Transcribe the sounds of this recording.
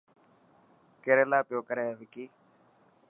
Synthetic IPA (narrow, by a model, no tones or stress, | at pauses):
keɾeːlaːpɪjoːkəɾeːʋɪkiː